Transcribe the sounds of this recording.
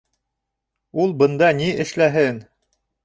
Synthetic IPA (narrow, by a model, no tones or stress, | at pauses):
ulˠbɤ̆nd̪ɑniʔɘ̆ʃlæɦɘn